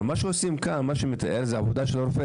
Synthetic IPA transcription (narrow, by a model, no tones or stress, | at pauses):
maʃeosimkanmaʃemet̪aʔeɾzeavod̪aʃeloɾfe